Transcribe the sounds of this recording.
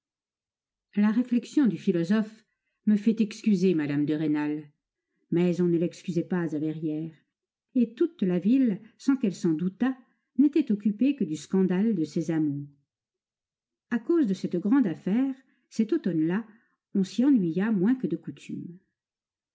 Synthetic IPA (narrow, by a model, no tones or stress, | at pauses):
laʁeflɛksjɔ̃d̪yfilɔzɔf | məfɛt̪ɛkskʲyzemad̪amd̪əʁenal | mɛzɔ̃nəlɛkskʲyzɛpazavɛʁjɛːʁ | et̪ut̪lavilsɑ̃kɛlsɑ̃d̪ut̪a | net̪ɛt̪ɔkʲypekəd̪yskɑ̃d̪ald̪əsɛzamuʁ | akozd̪əsɛt̪ɡʁɑ̃d̪afɛːʁ | sɛt̪ot̪ɔnla | ɔ̃siɑ̃nɥijamwɛ̃kəd̪əkut̪ʰy̰m